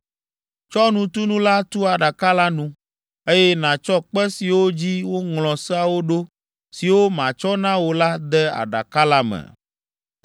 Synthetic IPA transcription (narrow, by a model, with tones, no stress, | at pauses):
t͡ʃɔ˦nũ˨t̪u˦nũ˦la˦t̪u˦a˨ɖa˨ka˦la˦nũ˦ | e˦jɛ˦nã˨t͡ʃɔ˦k͡pɛ˦si˨wo˦d͡ʑi˦wo˦ŋlɔ̃˨sɛ˦a˨wo˦ɖo˦ | si˨wo˦mã˨t͡ʃɔ˦nã˦wo˨la˦d̪ɛ˦a̰˨ɖa̰˨ka˦la˦mɛ̰̃˨